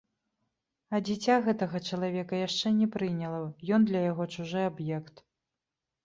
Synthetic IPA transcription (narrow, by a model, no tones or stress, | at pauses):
ɐd͡zʲit͡sʲaɣɛt̪ɐɣɐt͡ʂɐlˠavʲɛkɐjaʂt͡ʂɛnʲɛpɾɨnʲɐlˠɐjɔnd̪lʲɐjaɣɔt͡ʂuʐɨabjɛkt̪